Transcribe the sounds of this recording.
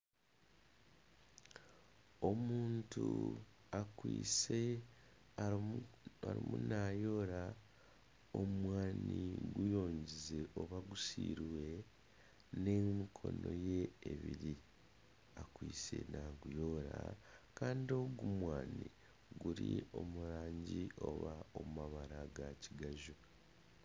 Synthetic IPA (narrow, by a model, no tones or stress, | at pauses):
o̞muːntuakwiːse | aɾimunaːjo̞ːɾa | omwaːniɡujo̞ːɲɟize̞ʔoβaɡusiːɾiwe̞ | ne̞mikʰo̞̰no̞je̞ːβiɾi | akwiːse̞̰naɡujo̞ːɾakaːndio̞ɡumwaːni | ɡuɾio̞muɾaːɲɟio̞̰βaomumaβaɾaɡaciɡaʒu